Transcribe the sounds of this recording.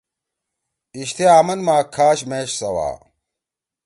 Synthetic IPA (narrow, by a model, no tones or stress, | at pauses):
iɕt̪ʰeaːmɐnmaːkʰaːɕmeːɕsɐwa̰ː